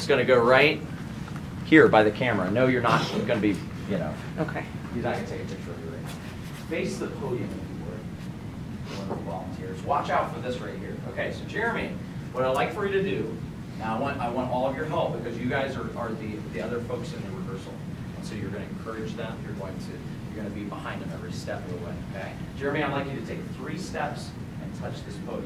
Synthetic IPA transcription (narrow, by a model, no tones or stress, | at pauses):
ɨtsɡ̥ʌñɨɡoʊɹaɪt̚ | hiɹbaɪðɨkʰæmə˞ɨnoʊjə˞nət̚ɨɡ̥ʌnɨbi | jɨno̰ʊ | ʔoʊkʰeɪ | jɨzaɪɡʌ̃nɨtʰeɪkɨpʰɪk̚t͡ʃə˞ʌvjə̰˞ɹḛ̃ɪ | b̥eɪsðɨpʰoʊlˠiɨ̃ŋɨfɨwɜ̰˞k | ðəwʌ̃nəvɑ̰lˠə̃n̩tʰɪɹzwɑt͡ʃaʊtfə˞ðɪsɹaɪt̚hḭɹo̰ʊkʰeɪsoʊd͡ʒɛɹmĩn | wʌɾaɪlaɪkfə˞jɨɾɨdʉ | naʊaɪwɑ̃ntaɪwɑ̃ntɔlˠʌvjə˞ɦɛlˠp̚b̥ɨkʰʌzjɨɡaɪzə˞ʔə˞ðiðiʌðə˞foʊksɨ̃nðɨɹɨvɜ˞sl̩ˠ | ɨ̃nsoʊjə˞ɡʌnɨɨ̃nkʰɜ˞ɨd͡ʒðɨ̃mjə˞ɡõʊ̃ɪ̃ŋtʰɨ | jə˞ɡʌnɨbibəhãɪ̃ndɨ̃mɛvɹistɛ̰pəəwɛ̰̃ɪoʊkʰeɪ | d̥ʒ̥ɛɹɨmĩnaɪlaɪkjɨɾɨtʰeɪk̚θɹistɛps | ɨ̃ntʰʌt͡ʃðɪspʰoʊ